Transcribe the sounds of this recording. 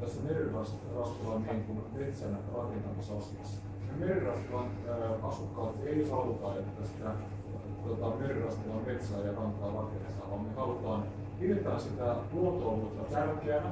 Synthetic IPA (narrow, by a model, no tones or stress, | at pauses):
t̪æsːæmerirɑst̪rɑskɑːniːŋkunmet̪sænrɑkent̪ɑnisɑsiɑ̰sːɑ̥ | nemerrɑst̪ʋɑːnː | ɑsukːɑːt̪eihɑlut̪ɑːet̪ːæsi̥t̪æ | t̪ot̪ɑmerrɑst̪ʋɑːmmet̪sæːjɑkɑnt̪ˑɑːrɑkent̪ɑːʋɑːmmehɑlut̪ɑːn | piret̪æːsit̪æt̪uot̪oːmut̪ːɑt̪ærkeæn